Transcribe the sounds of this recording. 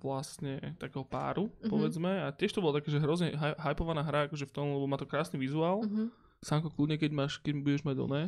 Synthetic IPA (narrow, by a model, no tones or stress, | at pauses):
ʋlast̪ɲɛt̪akɛːɦɔpa̰ːɾupɔʋɛd͡zmɛacɪɛʃt̪ɔbɔlat̪akaːʒɛɦɾɔzɲɛɦaɦajpɔʋanaːɦɾaakɔʒɛft̪ɔmlɛbɔmaːt̪ɔkɾaːsniʋizuaːlˠ | saŋkɔklˠudɲɛkɛɟmaːʃkɛɟmbuɟɛʒmaɟɔ̰nɛː